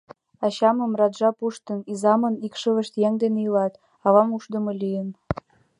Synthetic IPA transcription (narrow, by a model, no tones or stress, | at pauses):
ɑɕɑmɤ̆mrɑd̪ʒɑpuʃt̪ə̆nizɑmɤ̆nikʃə̆lə̆ʃt̪jæŋd̪eneilɑt̪ | ɑβɑmuʃd̪ə̆mɤlʲijə̆n